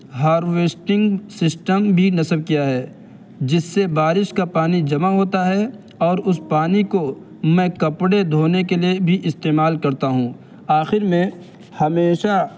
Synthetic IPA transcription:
ɦaːɾweːsʈɪ̃ŋɡsɪsʈəmbʱinɐsəb̚kijaɦɛː | d͡ʒɪsːebaːɾɪʃkapaːnid͡ʒɐmaɦoːt̪aɦɛ | ɔːɾʊspaːniko | mɛ̃ːkɐpɽed̪ʱoːnekeliebʱiʔɪst̪eːmaːlkɐɾt̪aɦũː | aːxɪɾmẽ | hɐmeːʃa

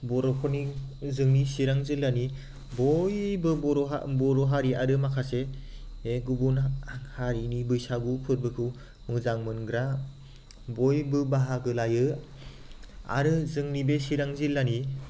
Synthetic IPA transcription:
bɔɾɔpʰɔnizɯŋnisiɾaŋzilːani | bɔjbɯbɔɾɔɦa̰bɔɾɔɦaɾiaɾɯmakʰase | eɡubunhaɾinibɯjsaɡupʰɯɾbɯkʰɯw | mɯzaŋmɯnɡɾa | bɔjbɯbaɦaɡɯlajɯ | a̰ɾɯzɯŋnibesiɾaŋzilːani

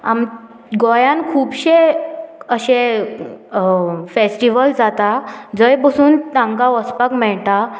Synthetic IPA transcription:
a̰m | ɡɔjãnkʰuːbɕe | əɕẽ | fesʈiʋəld͡zat̪ad͡zəjpəsuːnt̪ãŋɡaʋɔspakmɛɭt̪a

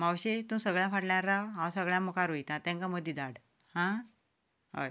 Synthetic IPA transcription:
mawɕet̪ũːsəɡɭjãfaʈljaɾːaɦãwsəɡɭjãmukʰaɾoit̪ãt̪ɛ̃ŋkaməd̪ʱːid̪aɽ | hã | ɦa̰j

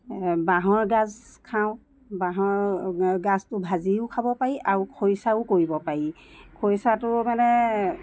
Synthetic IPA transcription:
baɦɔɹɡazkʰaʊ̃ | baɦɔɹɡastʊbʱaziʊkʰabɔpaɹiʔaɹukʰojsaʊkoɹibɔpaɹikʰojsatʊmanɛ

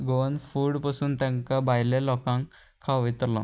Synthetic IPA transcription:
ɡoənfuːɽpasuːnt̪jãŋkabajlelɔkãŋ | kʰːaʋʋit̪ɾlɔ̰

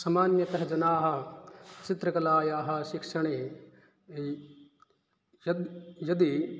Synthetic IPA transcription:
sɐmaːnjɐt̪ɐɦɐd͡ʒɐnaːɦɐ̆t͡ʃit̪ɾɐkɐlaːjaːɦɐ̆ʃikʂɐɳeː | jɐjɐd̪i

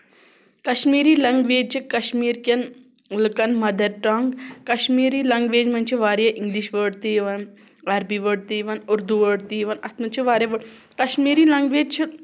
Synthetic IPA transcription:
kɐʃmiːɾiːlɐŋɡʋeːd͡ʒt͡ʃʰikɐʃmiːɾkʲɐn | lɨkɐnmɐd̪ʱɐʈɾaːŋɡkɐʃmiːɾiːlɐŋɡʋeːd͡ʒmɐnt͡ʃʰiʋaːɾjɐʔiŋɡliʃʋəɽt̪iʋɐn | ɐɾbiʋəɽt̪iʋɐnuɾd̪uʋəɽt̪iʋɐnɐt̪mɐnt͡ʃʰiʋaːɾjɐʋəɽ | kɐʃmiːɾiːlɐŋɡʋeːd͡ʒt͡ʃʰi

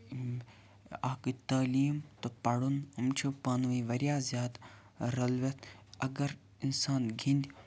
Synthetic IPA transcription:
aːkit̪ɐːliːmt̪opɐɽunumt͡ʃʰupɐːnʋiːʋɐɾjaːzjaːd̪ | ɾɐlʋet̪ʰɐɡɐɾ | insaːnɡʱĩnd̪

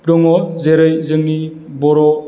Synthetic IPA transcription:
pdɔŋɔzeɾɯjzɯŋni | bɔɾɔ

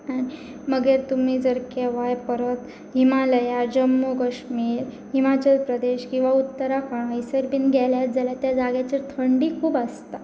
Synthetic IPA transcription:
ani | məɡeɾt̪um̤iːd͡zəɾkeʋajpəɾət̪ | ɦimaləjad͡ʑəmːokəɕmiːɾ | ɦimat͡ɕəlpɾəd̪eɕkĩw̃ʋaut̪ːəɾakəɳajsəɾbiːnɡʱɛljat̪̚d͡zaljat̪jad͡zaɡjat͡ɕeɾt̪ʰəɳɖiːkʰuːbast̪a

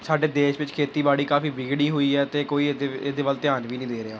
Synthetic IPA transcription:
saːɖeːd̪eːʃʋɪt͡ʃkʰeːt̪iːbaːɽiːkaːfiːʋɪɡɽiːɦoːiːɛːt̪eːkoːiːd̪eed̪eːʋəlt̪ɪjaːnʋiːnĩːd̪eːɾɪaː

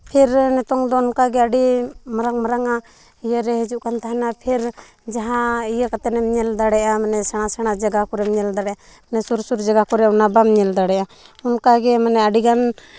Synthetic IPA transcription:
pʰɛɾnɛt̪ɔŋd̪ɔunkaɡɛaɖimaɾaŋmaɾaŋa | ijəɾɛɦɛd͡ʒuʔkant̪aɦanapʰiɾ | d͡ʒaɦãijakat̪ɛnɛmɲɛld̪aɽɛʔamanɛsɛɽ̃asɛɽ̃ad͡ʒaɡakɔɾɛmɲɛld̪aɽɛʔa | manɛsuɾsuɾd͡ʒaɡakɔɾɛunabamɲɛld̪aɽɛʔaunkaɡɛmanɛaɖiɡan

